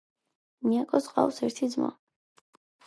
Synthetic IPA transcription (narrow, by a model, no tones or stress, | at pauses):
niakʼɔsqʼa̰wsɛɾt̪ʰid̪zmɔ̰